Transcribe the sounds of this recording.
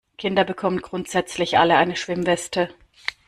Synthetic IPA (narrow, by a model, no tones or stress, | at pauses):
kʰɪndɐbəkʰɔmənɡ̥ʁʊntz̥ɛt͡slɪçʔa̰ləaɪnəʃv̥ɪmvɛstə